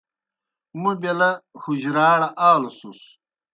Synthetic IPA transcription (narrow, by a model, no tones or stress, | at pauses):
mubelɐhuʑɾaːɽɐʔaːlɐsus